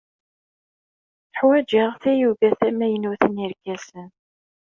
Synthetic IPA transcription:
θħwæd͡ʒaʁθæjuvæθæmæjənuθəniɾɡæsən

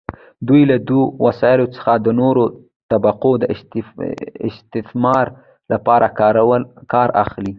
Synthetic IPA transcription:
d̪ujlad̪uwasɑjɪlot͡sə̥xad̪ənoɾo | t̪abaqod̪ə | ɪ̰st̪ɪθmɑɾ | lapɑɾʔawkɑɾa̰xli

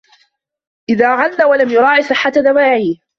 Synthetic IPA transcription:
ʔɪðaːʕanːawalamjʊɾˤɑːʕisˤɨħːat̪aðawaːʕiː

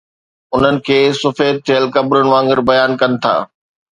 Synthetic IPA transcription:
ʊn̤ənɪ̆kʰeːsʊfeːt̪̚t̪ʰejəlkɐbɾʊnɪ̆ʋãːŋɡəɾbɐjaːnkɐnɪ̆t̪ʰa̰ː

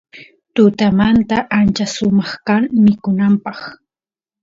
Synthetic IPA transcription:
t̪ʊt̪amant̪aʔant͡ʃasʊmɑχkaŋmɪkʊnampɑχ

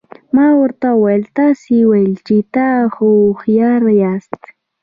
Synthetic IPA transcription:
mawɾt̪awelt̪asiwelt͡ʃit̪ahoχjaɾajast̪

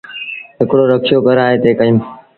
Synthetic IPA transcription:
ɦɪkɽoːɾəkʃɪjoːkəɾaːɦeːt̪eːkəĩːm

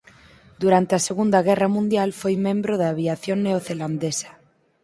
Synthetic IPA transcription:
d̪uɾant̪easeɣund̪aɣ̞ɛramũnd̪jalfojmẽmbɾoðaːβiaθjoŋneoθeland̪esḁ

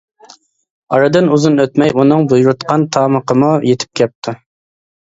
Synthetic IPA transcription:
ɑɾɨd̪ɨnuzunøt̪mɛjunɨŋbujuɾut̪qʰɑnt̪ʰɑːməqəmujet̪ʰɪ̥p̚kʲɛp̚t̪ʰu

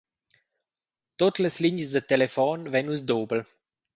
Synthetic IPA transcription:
t̪ot̪ləsliɲəsd̪ət̪elefɔnvɛnusd̪oːbəl

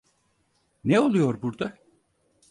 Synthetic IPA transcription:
neo̞lˠujo̞ɾbuɾd̪a

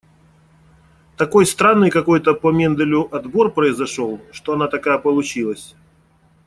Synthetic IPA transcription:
t̪ɐko̞jst̪ɾanːɨjkɐko̞jt̪əpəmʲend̪əlʲʊʔɐd̪bo̞rpɾəɪzɐʂo̞lˠʂt̪oɐnat̪ɐkajəpəlˠʊt͡ɕilˠəsʲ

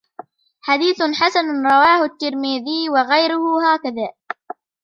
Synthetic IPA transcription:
ħad̪iːθħasanɾˤɑwaːhʊt̪ːɪɾmiːðɪjwaɣajɾʊhʊhaːkaðaː

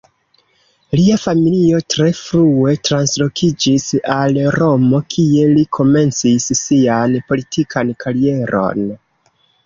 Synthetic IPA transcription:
liafamilio̞tɾe̞fɾue̞tɾanslo̞kʰid͡ʒisalɾo̞mo̞kʰie̞likʰo̞me̞nt͡sisːianpo̞litʰikʰankʰaɾie̞ɾo̞̰n

